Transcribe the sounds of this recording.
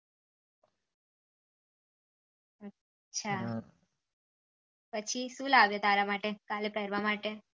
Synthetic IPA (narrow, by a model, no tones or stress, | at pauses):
ə | t͡ʃʰa | pət͡ʃʰiʃũlaʋjot̪aɾamaʈekalepɛɾʋamaʈe